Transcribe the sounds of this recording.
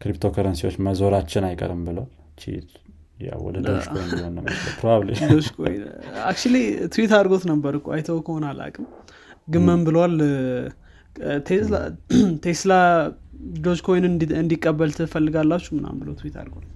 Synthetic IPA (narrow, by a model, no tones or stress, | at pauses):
kɾipt̪ʰo̞kʰəɾənsiwo̞̰t͡ʃːməzo̞ɾat͡ʃːɪnajkʼə̰ɾɨmbɨləwal | t͡ʃḭt̪ | ja̰wwɔ̰d̪ədd̪od͡ʒkojnd̪ihonːəmːət͡ʃəpʰɾoaβlḭd̪od͡ʒkʰo̰j̰na̰kt͡ʃulit̪ʰuwit̪aɾɡo̞t̪nəbːəɾɨkːua̰jt̪ʰəwkʰəhonalʔa̰kʼɨm | ɡɨmːəmbɨləwal | t̪ʰelat̪ʰesla | d̪od͡ʒkʰo̞jnɨɨnd̪ikʼːəbːəlt̪ʰɨfəlːɨɡalːat͡ʃːumɨna̰mbɨləwt̪ʰwit̪a̰ɾɡot̪